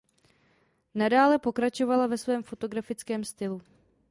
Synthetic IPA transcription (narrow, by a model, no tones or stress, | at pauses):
nadaːlɛpo̞kɾat͡ʃo̞valavɛsvɛːmfo̞t̪o̞ɡɾafɪt͡skɛːmst̪ɪlu